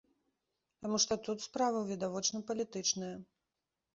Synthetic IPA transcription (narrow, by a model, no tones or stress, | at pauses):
t̪amuʂt̪ɔt̪ut̪spɾavɐwvʲid̪avɔt͡ʂnɐpɐlʲit̪ɨt͡ʂnɐjɐ